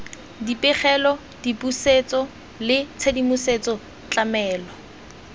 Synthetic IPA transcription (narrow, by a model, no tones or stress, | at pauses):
dipʼɪχɛlɔ | d̥ipuset͡sɔ | lɪt͡sʰedimʊset͡sɔ | t͡ɬʼamɛːlɔ